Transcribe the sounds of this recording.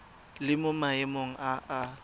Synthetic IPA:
lɪmʊmaɪmoŋ̩ʔaʔa

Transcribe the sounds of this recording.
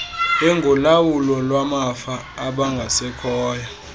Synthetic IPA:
ɛŋɡʱɔlawulɔlwamafaː | ɓaŋɡʱasɛkʰɔːja

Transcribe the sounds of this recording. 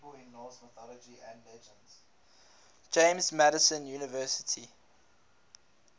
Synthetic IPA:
əɪ̃nːɔlsməθɔlɔd͡ʒiæ̃ndlɛd͡ʒə̃ndz̥ | d͡ʒẽɪ̃mzmæɾəsə̃njunəvɜːˑsɪ̥tʰi

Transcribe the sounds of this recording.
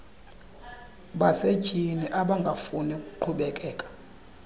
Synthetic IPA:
ɓased̥ʒ̥ʱiniʔaɓaŋɡʱafunɛkʼu̥ǃʰuɓɛkʼɛːkʼḁ

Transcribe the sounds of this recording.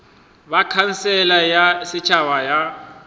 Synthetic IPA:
bakʰan̩sɛlajasɪt͡ʃʰawaja

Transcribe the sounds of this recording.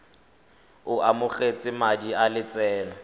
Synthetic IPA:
ʊʔamʊχet͡sʼɪmadialɪt͡sʼɛːna

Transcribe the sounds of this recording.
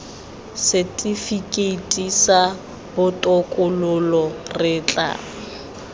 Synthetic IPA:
sɛtʼifikʼeitʼisa | bʊtʼɔkʼʊlʊlɔrɪːt͡ɬʼa̰ː

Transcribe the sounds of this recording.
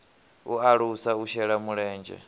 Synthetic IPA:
uaɺusauʃɛɺamuɺɛːnd͡ʒɛ̰

